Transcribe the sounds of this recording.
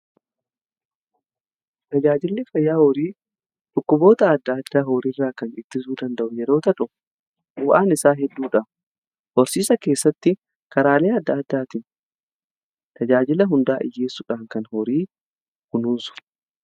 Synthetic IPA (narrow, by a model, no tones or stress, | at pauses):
t̪ɐd͡ʒaːd͡ʒɪlːɪfɐjːaːhɔɾiː | ᶑ̪ʼʊkːʊbo̞ːt̪ɐːd̪ːad̪ːaːɦoːɾirːaːkɐnɪt̪ːɪs̬uːd̪ɐnd̪ɐʔʊjɛɾo̞ːt̪ɐᶑʊ | ʊwʔaːnɪsaːɦɛd̪ːuːᶑɐ | hɔɾsiːsɐke̞ːsːɐt̪ːɪ | kɐɾaːle̞ːɐd̪ːɐːd̪ːaːt̪ɪn | t̪ɐd͡ʒaːd͡ʒɪlɐɦʊnd̪aːʔɪ̰jːeːsːʊᶑaːŋkɐnhɔɾiː | hʊnuːnsʊ̥